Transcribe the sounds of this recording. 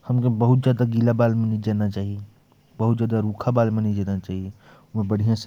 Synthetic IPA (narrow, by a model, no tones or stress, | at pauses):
həmkebəɦut̪̚d͡ʒaːd̪aɡilabaːlmenəid͡ʒanat͡ʃaːɦie | bəɦut̪d͡ʒaːd̪aɾukʰabaːlmenəid͡ʒanat͡ʃaːɦie | mẽbəɽ̤ijãs